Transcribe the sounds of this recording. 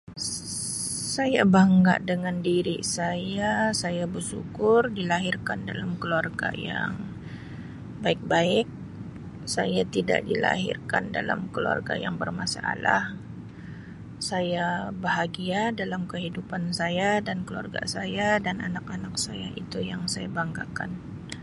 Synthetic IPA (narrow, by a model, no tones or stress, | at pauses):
sajabaŋɡa̰ʔdəŋandiɾḭsajasajabərsṵkʊrdilaɦɪrkandalamkəluarɡaja̰ŋ | baɪk̚baɪk̚ | sajat̪ida̰ʔdila̰ɦɪ̰rkandalamkəlua̰rɡajaŋbərmasa̰ːlah | sajabəɦaɡiadalamkəɦidupansajadankəlua̰rɡa̰sajadanʔanakanak̚sajaʔit̪ujaŋsajabaŋɡakan